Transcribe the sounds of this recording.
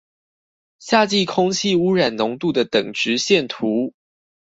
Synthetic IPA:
ɕja˥˧t͡ɕi˥˩kʰʊ˥ŋt͡ɕʰi˥˨u˥ɻa˨˩nnʊ˧˥ŋt̪u˥˩d̪ə˩t̪ɤ˨˩ŋʈ͡ʂɻ̩˧˥ɕjɛ˥˩nt̪ʰu˨˦

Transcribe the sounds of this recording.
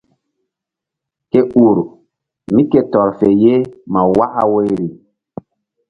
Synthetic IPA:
ke˦u˨ɾu˨ | mi˦ke˨tɔ˨ɾfe˨je˦ma˨wa˦ha̰˦wo˦jɾi˨

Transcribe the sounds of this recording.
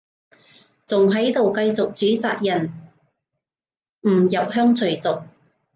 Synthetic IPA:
t͡sʊ˨˩ŋɦɐ˨˥jt̪o˨wkɐ˧jt͡sʊ˨k̚t͡syː˨˥t͡sa̰ː˨k̚jɐ˨˩n | m̩˨˩jɐ˨p̚hœː˥ŋt͡sʰɵ˨˩t͡sʊ˨k̚

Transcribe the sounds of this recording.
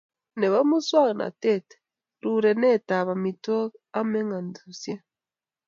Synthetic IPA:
ne˨βa˦mu˦swa˦ɣnʔa̰˨te˦˨te̥ | ɾu˨ɾe˨ne˦ta˨βa˨mi˨to˦a˦me˦ŋɡa˨ndu˨sja˦

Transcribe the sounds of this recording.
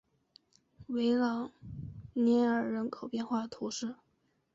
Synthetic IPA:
we˧˥ɪlɑ˨˩˦ʊnɛ˧˥ə˞˨˩ɻə˧˥nkʰo˨˩ʊpjɛ˥˧nxwa˥˩t̪ʰu˧˥ʂɻ̩˥˩

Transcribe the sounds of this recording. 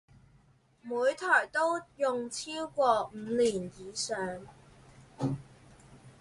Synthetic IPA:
muː˨˧jt̪ʰɔː˨˩jt̪o˥wjʊ˨˧ŋt͡sʰiː˥wkʷɔː˧m̩ː˨˧liː˨˩njiː˨˧sœː˨˧ŋ

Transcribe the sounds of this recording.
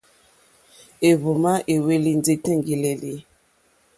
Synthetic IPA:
e˨βu˨ma˦ʔe˨we˦li˦n˦d͡ze˦tɛ̃˦ŋɡi˨lɛ˨li˦

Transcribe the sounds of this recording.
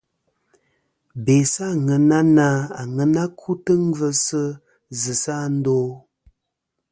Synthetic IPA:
be˨sa˦˨ŋə˨na˦na˦a˨ŋə˨na˦kʰu˦tə˦ŋ˦və˦sə˦ | zə˨sa˦˨n̩˦do˦

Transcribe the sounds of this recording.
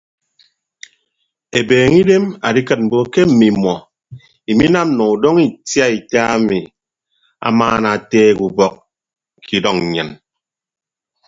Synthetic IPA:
e˨beː˨ŋi˦de˦ma˨di˦kɨ˨t̚m̩˨bo˨ke˦m̩˨mi˨mɔ˨ | i˨mi˦na˦m˨nɔ˨u˨dɔ˦ŋi˨tja˦i˨ta˦a˦mi˨ | a̰˨maː˦na˨teː˦˨ku˨bɔ˦˨k̚ | kʰi˨dɔ˦˨ŋ˨ɲɨ˨n

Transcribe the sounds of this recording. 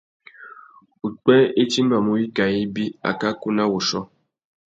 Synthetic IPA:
u˨k͡pɛ̃˦e˦t͡ʃi˦m˦a˨mu˦ji˦ka˨i˦bi˦a̰˨ka˦ku˦na˦wo˨ʃɔ˦

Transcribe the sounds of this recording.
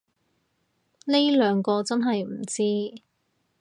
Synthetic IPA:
ne˥jlœː˨˧ŋkɔː˧t͡sɐ˥nɦɐ˨jm̩˨˩t͡siː˥

